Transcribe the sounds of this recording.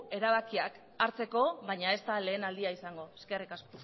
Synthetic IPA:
e̞ɾaβ̞akiak | aɾt͡se̞ko̞βajɲae̞st̪ale̞ːnald̪iaisaŋɡo̞eskerikas

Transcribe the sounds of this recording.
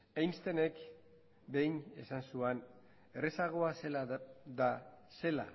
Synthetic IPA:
ajnst̪e̞ne̞k | be̞jne̞̰sansuen | eresaɣ̞o̞aselad̪ase̞la̰

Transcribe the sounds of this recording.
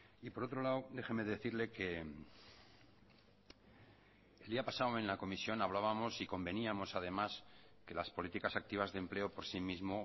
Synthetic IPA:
ipo̞ɾo̞t̪ɾo̞lawd̪e̞xeme̞ðe̞θiɾle̞ke̞ | eldiapasawẽ̞nlako̞misjo̞naβ̞laβamo̞siko̞mbe̞niamo̞sað̞e̞maske̞laspolit̪ikasak̚t̪iβ̞azðemple̞o̞po̞ɾsimizmo̞

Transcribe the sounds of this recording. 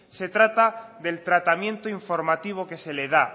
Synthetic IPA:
se̞t̪ɾat̪aðe̞lt̪ɾat̪amje̞nt̪oiɱfo̞ɾmat̪iβ̞o̞ke̞se̞le̞ð̞a

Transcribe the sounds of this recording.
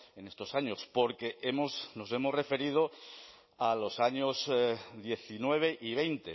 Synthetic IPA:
ene̞st̪o̞saɲo̞spo̞ɾke̞ʔemosno̞se̞mozre̞fe̞ɾið̞o | alo̞saɲozðje̞θinwe̞β̞e̞ʔiβ̞e̞jnt̪e̞

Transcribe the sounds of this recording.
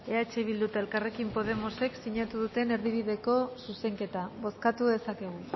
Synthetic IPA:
e̞at͡ʃeβild̪ut̪aelkare̞kimpo̞ð̞e̞mo̞se̞ksiɲat̪uðut̪e̞ne̞ɾðiβ̞iðe̞ko̞suse̞ŋke̞t̪aβo̞skat̪uðe̞sake̞ɣ̞u

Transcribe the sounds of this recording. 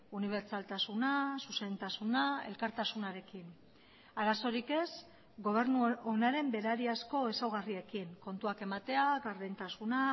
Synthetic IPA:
uniβ̞e̞ɾt͡ʃalt̪asunasuse̞nt̪asunae̞̰lkaɾt̪asunaɾe̞kin | aɾaso̞ɾike̞s | ɡo̞β̞e̞ɾnuonaɾe̞mbe̞ɾaɾiasko̞e̞sawɣarie̞kiŋko̞nt̪uake̞mat̪e̞aɡaɾβent̪asuna

